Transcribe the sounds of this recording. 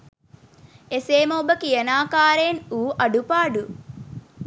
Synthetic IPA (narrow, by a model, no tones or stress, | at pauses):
eseːmobəkijɐnaːkaːɾenuːʔɐɖupaːɖu